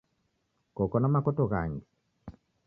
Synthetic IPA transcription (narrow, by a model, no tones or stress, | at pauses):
kokɔnamakotoɣa̰ŋɡe